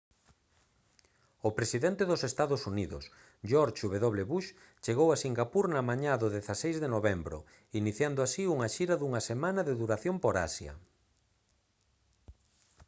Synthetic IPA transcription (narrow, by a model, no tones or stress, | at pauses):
ʊpɾesiðent̪ɪðʊsest̪aðʊsuniðʊ̰s | ʒɔɾʃuβeðoβ̞leβuʃ | t͡ʃeɣowasiŋɡapuɾnɐmaɲaðʊðeθasejzðenoβembɾʊ̰ | iniθjand̪ʊasiuŋɐaʃiɾɐðuŋɐsemãnɐðeðuɾaθjompoɾa̰sjɐ̰